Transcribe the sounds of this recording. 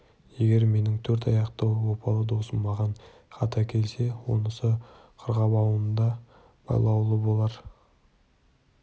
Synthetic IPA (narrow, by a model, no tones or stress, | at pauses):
je̞ɡʲe̞ɾme̞nɪŋt̪ʰɵɾt̪ɑjɑqt̪ɑwwo̞pʰɑlˠəd̪o̞səmɑʁɑɴ | χɑt̪ʰɑkʲʰe̞lse̞wo̞̰nəsə | qʰəɾʁɑbɑwənənd̪ɑ | b̥ɑ̰jlˠɑwlˠəbo̞lˠɑɾ